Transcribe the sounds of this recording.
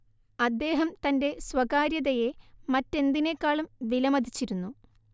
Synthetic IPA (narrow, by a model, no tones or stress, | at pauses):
ɐd̪ːe̞ːɦɐmt̪ɐnde̞swɐɣaːɾjɐðɐjemɐtːe̞nd̪ine̞kːaːɭumʋilɐmɐd̪ʱit͡ɕːiɾunːu